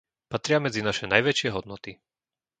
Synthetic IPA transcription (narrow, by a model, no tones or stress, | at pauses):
pat̪ɾɪamɛd͡zinaʃɛnajʋɛt͡ʃɪɛɦɔd̪nɔt̪i